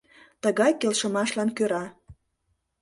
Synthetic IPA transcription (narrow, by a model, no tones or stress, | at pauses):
t̪əɣɑjkelʃəmɑʃlɑnkøɾɑ